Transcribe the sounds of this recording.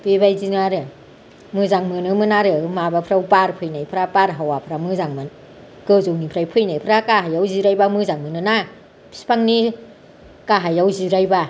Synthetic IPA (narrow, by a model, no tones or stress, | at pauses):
pebajzinɯaɾɯ | mɯzaŋmɯnɯmɯnaɾɯmabapʰɾawpaɾpʰɯjnajpʰɾapaɾɦawapʰɾamɯzaŋmɯn | kɯzownipʰɾajpʰɯjnajpʰɾakaɦajawziɾajbamɯzaŋmɯnɯna | pʰi̥spʰaŋni | kaɦajawziɾajba